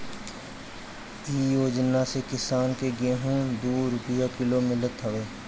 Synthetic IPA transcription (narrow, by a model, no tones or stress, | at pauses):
iːjoːd͡ʒnasekɪsaːnkeɡeɦũːd̪oːɾʊpjakɪlomɪlət̪ɦəʋeː